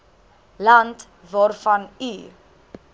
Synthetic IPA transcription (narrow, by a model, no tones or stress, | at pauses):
lɐnt | vɑːrfɐni